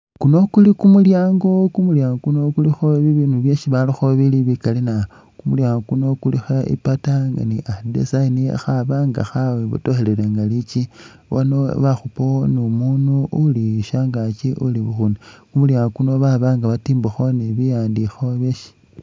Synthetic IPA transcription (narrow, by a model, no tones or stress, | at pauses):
kuno̞kulikumuljaːŋɡo̞kumuljaːŋɡokuno̞kulixoβiβinuβjeʃiβalixoβiliβikalina | kumuljaːŋɡokuno̞kulixoḭpataŋɡa̰niʔadḛsainḭxaβaŋɡa̰xaweβṵtoxeleleŋɡalit͡ʃi | βonoβaxuponomuːnuuliʃaŋɡat͡ʃiʔṵliβuxunikumuljaːŋɡokuno̞βaβaŋɡaβatiːmbuxoniβijaːndixoβeʃi̥